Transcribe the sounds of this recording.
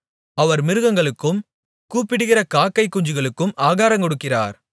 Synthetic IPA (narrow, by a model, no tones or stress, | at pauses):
ɐʋɐɾmɪɾɯɣɐŋɡɐɭɯkːɯm | kuːpːɪɽɯɣɪrɐkaːkːɐɪkːʊɲd͡ʒɯɣɐɭɯkːɯmʔaːɣaːɾɐŋkɔɽɯkːɪra̰ːɾ